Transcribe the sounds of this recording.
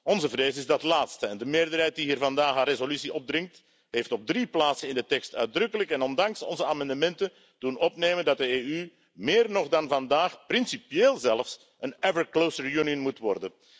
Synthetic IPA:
ɔnzəvreːzəɪzdɑtlaːtstəɛndəmeːrdərɦɛjt̚diɦiːrvɑndaːxaːrezolysiɔb̚drɪŋk̚t | ɦeːftɔb̚driplaːtsənɪndətɛkstœɥdrɵkələkɛnɔndɑŋsɔ̰nzəaːmɑndəmɛntə | d̥unɔpneːməndɑt̚dəeːy | meːrnɔχdɑnvɑndaːxprɪnsipjeːlˠzɛləfs | ənɛvəɹklosəɹjuniənmutʋɔrdən

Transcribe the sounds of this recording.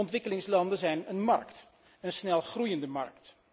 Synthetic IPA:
ɔntʋɪkəlɪŋslɑndənzɛjnənmɑ̰rkt | ənsnɛlˠχrujəndəmɑ̰ɹkt

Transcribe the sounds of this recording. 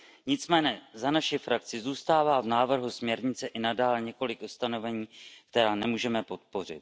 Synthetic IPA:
ɲɪt͡smɛːɲɛzanaʃɪfɾak̚t͡sɪzuːst̪aːvaːvnaːvr̩ɦusmɲɛɾɲɪt͡sɛʔɪnadaːlɲɛko̞lɪkʔust̪ano̞vɛɲiːkt̪ɛɾaːnɛmuːʒɛmɛpo̞t̪̚po̞r̝ɪ̰t̪̚

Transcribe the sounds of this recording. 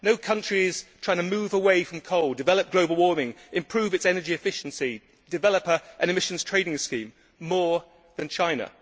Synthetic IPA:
noʊkʰʌ̃nt͡ʃɹ̥iɪz̥tʰɹ̥aɪɪ̃ŋtʰəmʉːvəweɪfɹə̃mkʰoʊlˠdɪvɛləp̚ɡ̥loʊbəlˠwɔːmɪ̃ŋɪ̃mpʰɹ̥ʉːvɨtsɛnəd͡ʒiɪfɪʃn̩si | d̥ɪvɛləpə˞ʔə̃nɪmɪʃə̃n̩z̥tʰɹ̥eɪnɪ̃ŋskĩmː | ɔː | ðə̃nt͡ʃʰãɪ̃nə̰

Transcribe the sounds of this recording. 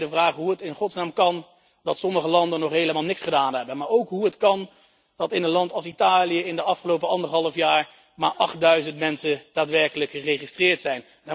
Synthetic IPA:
dəvraːχɦuətɪnχɔtsnaːmkɑn | dɑtsɔməχəlɑndənɔχɦejləmaːlˠnɪksχədaːnɦɛbənmaːɹowkɦuɦətkɑn | d̥ɑtɪnənlɑntɑlˠsitaːlijəɪndəɑfχəlowpəɑndəɹɦɑlˠəfjaːɹ | maːɹʔɑχt̚dœɥzəntmɛnsəd̥aːtʋɛɹkələkχərejχistrɪːɹtsɛjn | da

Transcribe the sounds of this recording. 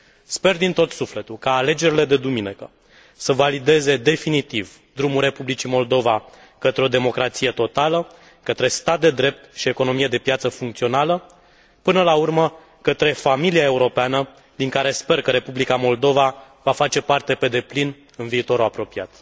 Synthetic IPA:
spe̞rd̪int̪o̞t̪sufle̞t̪ulkaːle̞d͡ʒe̞ɾile̞d̪e̞d̪uminikə | səvalid̪e̞ze̞d̪e̞finit̪iv | d̪ɾumulɾepublit͡ʃimo̞ld̪o̞va | kət̪ɾeo̞d̪e̞mo̞kɾat̪sije̞t̪o̞t̪alə | kət̪ɾe̞st̪at̪̚d̪e̞d̪ɾe̞p̚t̪ʃie̞ko̞no̞mije̞d̪e̞pjat̪səfuŋkt̪sio̞nalə | pɨnəlaurmə | kət̪ɾe̞familiae̞uɾo̞peanə | d̪iŋkaɾe̞spe̞rkəɾe̞publikamo̞ld̪o̞va | vafat͡ʃe̞part̪e̞pe̞d̪e̞plin | ɨnviːt̪o̞ɾuapɾo̞piat̪

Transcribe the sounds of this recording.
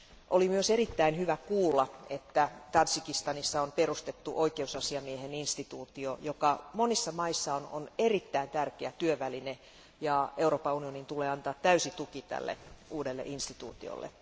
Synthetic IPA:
ʔolimyøserit̪ːæinhyʋækuːlːɑet̪ːæt̪ɑnsikist̪ɑnisːɑonperust̪et̪ːuʔoikeusɑsiɑmieheninst̪it̪uːt̪iojokɑmonisːɑmɑisːɑono̰nerit̪ːæint̪ærkeæt̪yøʋæline | jɑeuroːpɑunionint̪uleːɑnt̪ɑːt̪tæysit̪ukit̪æ̰lːḛuːdelːḛʔinst̪it̪ṵːt̪ḭo̰lːʔḛ

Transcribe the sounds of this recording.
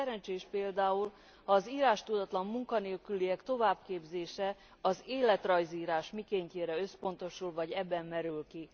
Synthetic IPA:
ɛɾɛnt͡ʃeːʃpeːld̪aːul | hɒːziːɾaːʃt̪ud̪ɒt̪lɒmːuŋkɒneːlkyliɛkt̪o̞vaːbkeːbzeːʃɛ | ɒzeːlɛt̪rɒjziːɾaːʃmikeːɲceːɾɛø̞spo̞nt̪o̞ʃulvɒɟɛbːɛmːɛɾylki

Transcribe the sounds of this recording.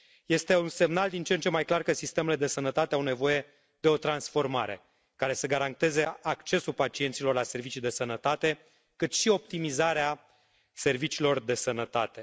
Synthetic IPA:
je̞st̪e̞unse̞mnald̪int͡ʃent͡ʃe̞majklarkəsist̪e̞me̞le̞d̪e̞sənət̪at̪e̞awne̞vo̞je̞ | d̪e̞o̞t̪ɾansfo̞rma̰ɾe̞̰ | kaɾe̞səɡaɾant̪e̞ze̞akt͡ʃe̞sulpat͡ʃiet̪silo̞rlase̞rvit͡ʃid̪e̞sənət̪at̪e̞ | kɨt̪ʃio̞p̚t̪imizaɾea | se̞rvit͡ʃiːlo̞rd̪e̞sənət̪at̪e̞

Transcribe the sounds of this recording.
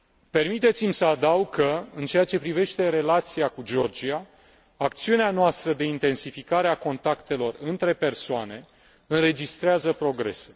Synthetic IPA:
pe̞rmit̪e̞t̪simsəad̪awɡ̚kʰəɨnt͡ʃe̞jat͡ʃe̞pɾive̞ʃt̪e̞ɾe̞lat̪siakud͡ʒeo̞rd͡ʒiaː | k̚t̪siuneanoast̪ɾəd̪e̞int̪e̞nsifikaɾeako̞nt̪akt̪e̞lo̞rɨnt̪ɾe̞pe̞rsoane̞ | ɨnre̞d͡ʒist̪ɾeazəpɾo̞ɡɾe̞̰se̥

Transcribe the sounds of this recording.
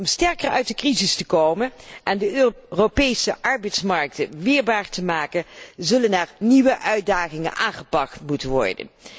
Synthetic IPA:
ɔmstɛɹkərœ̰ɥt̚dəkrizɪstəkowmənʔɛndəropejsəʔɑɹbɛjtsmɑɹk̚təʋɪːɹbaːɹtəmaːkəzɵlənɛɹniʋəʔœɥ̚daːχɪŋə̰nʔaːŋχəpɑktmutənʋɔ̰ɹdə̰n

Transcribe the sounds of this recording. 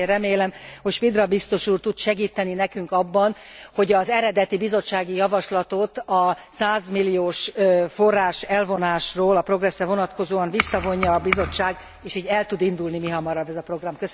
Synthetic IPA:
rɛmeːlɛmho̞cʃpid̪rɒbist̪o̞ʃuːrt̪ut̪ʃɛɡiːt̪ɛninɛkyŋkɒbːɒnho̞ɟɒzɛɾɛd̪ɛt̪ibizo̞t͡ʃːaːɡijɒvɒʃlɒt̪ot̪ɒ | saːzmilːijoːʃfo̞rːaːʃɛlvo̞naːʃroːlɒpro̞ɡrɛsrɛvo̞nɒt̪ko̞zoːɒnvisːɒvo̞ɲːɒːbizo̞t͡ʃːaːɡ | eːʃiːɟɛlt̪ud̪ind̪ulnimiɦɒmɒɾɒbːɛzɒpro̞ɡrɒmkø

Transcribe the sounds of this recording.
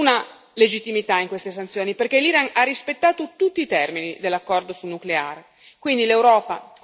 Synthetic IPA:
na | led͡ʒit̪ːimit̪aiŋkwest̪es̬ant̪sjoːniperkeliɾanarːispet̪ːaːt̪ot̪ut̪ːiːt̪ɛrminid̪elːakːɔrd̪osulnuklea̰r | kwind̪ilewɾɔːpa

